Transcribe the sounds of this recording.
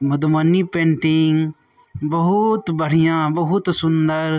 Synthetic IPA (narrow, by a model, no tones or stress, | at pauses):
mʊd̪mənipẽːɳʈɪŋ | bɐɦut̪bəɽ̤ijãːbɐɦut̪sʊnd̪əɾ